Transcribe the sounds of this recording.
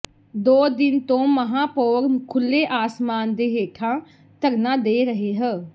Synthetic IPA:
d̪oːd̪ɪnt̪õːməɦãːpoːɾnkʰʊlːeːʔaːsmaːnd̪eːɦeːʈʰãː | t̪əɾnãːd̪eːɾəɦeːɦəː

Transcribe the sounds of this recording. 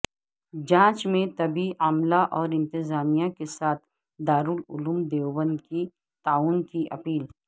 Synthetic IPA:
d͡ʒãːt͡ʃmẽt̪ɐbiaːmlaʔɔːɾɪ̃nt̪ɪzaːmijakesaːt̪ʰ | d̪aːɾulʊ̰luːmd̪eːʋbə̃nd̪ki | t̪aːuːnkiʔɐ̰piːl

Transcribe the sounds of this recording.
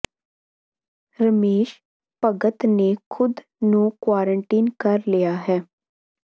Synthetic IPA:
ɾəmeːʃ | pəɡət̪nekʰʊd̪ | nũkwaːɾəɳʈiːnkəɾlijaːɦɛː

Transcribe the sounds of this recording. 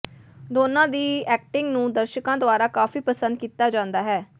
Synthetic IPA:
d̪oːnãːd̪iːɛːk̚ʈɪŋɡnũːd̪əɾʃəkãːd̪ʊaːɾaːkaːfiːpəsə̃nd̪̚kiːt̪aːd͡ʒãːnd̪aːɦɛː

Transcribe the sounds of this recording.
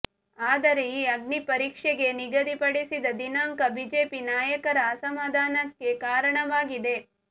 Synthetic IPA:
aːd̪ɐɾeiɐɡnipɐɾiːkʂeɡe̞niɡɐd̪ipɐɽisid̪ɐd̪inaːŋkɐbiːd͡ʒeːpinaːjɐkɐɾɐːsɐmaːd̪ʱaːnɐkːe̞kaːɾɐɳɐʋaːɡid̪e̞

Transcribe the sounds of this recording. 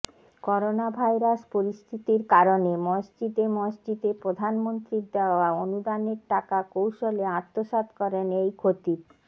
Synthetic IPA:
kɔɾonabʱajɾaspoɾist̪ʰit̪iɾkaɾonemɔsd͡ʑid̪emɔsd͡ʑid̪epɾod̪ʱanmont̪ɾit̪d̪eoaonud̪aneɾʈakakowʃoleat̪ːoʃat̪kɔɾenejkʰot̪ip

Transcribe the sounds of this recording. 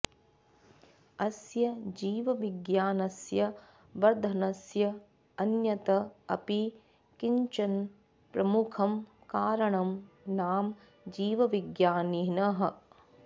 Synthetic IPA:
ɐsjɐd͡ʒiːʋɐʋiɡjaːnɐsjɐ | ʋɐɾd̪ʱɐnɐsjɐ | ɐnjɐt̪ɐɐ̰pi | kiɲt͡ʃɐn | pɾɐmukʰɐm | kaːɾɐɳɐm | naːm | d͡ʒiːʋɐʋiɡjaːninɐɦɐ̆

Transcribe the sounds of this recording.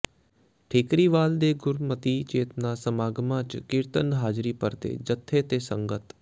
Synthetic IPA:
ʈʰeːkɾiːʋaːld̪eːɡʊɾmət̪iːt͡ʃeːt̪naːsəmaːɡmãːt͡ʃkɪɾt̪ənɦaːd͡ʒɾiːpəɾt̪ḛːd͡ʒət̪ʰːet̪eːsə̃ŋɡət̪

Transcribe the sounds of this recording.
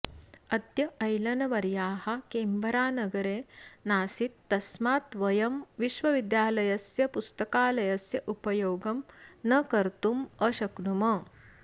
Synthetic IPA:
ɐd̪jɐɐjlɐnɐʋɐɾjaːɦɐ̆keːmbɐɾaːnɐɡɐɾeːnaːsit̪ːɐsmaːt̪ʋɐjɐmʋiʃʋɐʋid̪jaːlɐjɐsjɐpust̪ɐkaːlɐjɐsjɐʔupɐjoːɡɐmnɐkɐɾt̪umɐʃɐkɳumɐ

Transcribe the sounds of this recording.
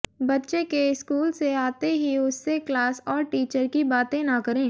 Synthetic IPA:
bɐtːʃekeɪskuːlseaːt̪eɦiʊsːeklaːsɔːɾʈiːt͡ʃəɾkibaːt̪ẽnɐkɐɾẽː

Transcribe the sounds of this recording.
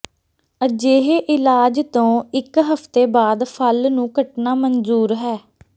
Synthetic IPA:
əd͡ʒeːɦeːʔɪlaːd͡ʒt̪õːɪkɦəpt̪eːbaːd̪pʰəlnũːkəʈnaːmənzuːɾɦɛː

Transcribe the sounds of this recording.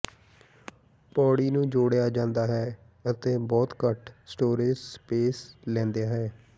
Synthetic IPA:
pɔːɽiːnũːd͡ʒoːɽjaːd͡ʒãːnd̪aːɦɛː | ət̪eːbɔːt̪kəʈʰsʈoːɾed͡ʒspeːslɛ̃ːnd̪ejaːɦɛː

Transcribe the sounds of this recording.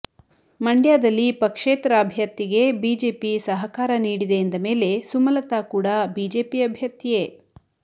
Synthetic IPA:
mɐɳɖjaːd̪ɐlːipɐkʂeːt̪ɾɐːbʱjɐɾt̪iɡe̞biːd͡ʒe̞ːpisɐɦɐkaːɾɐniːɽid̪e̞ːnd̪ɐme̞ːle̞sumɐlɐt̪aːkuːɽabiːd͡ʒeːpiɐbʱjɐɾt̪ijeː

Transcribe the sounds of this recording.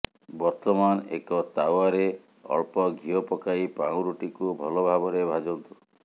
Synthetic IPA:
bɔɾt̪ɔmanḛkɔt̪awaɾe | ɔ̰ɭpɔɡʱijɔpɔkaipãw̃ɾuʈikubʱɔlɔbʱabɔɾebʱad͡ʒɔnt̪u

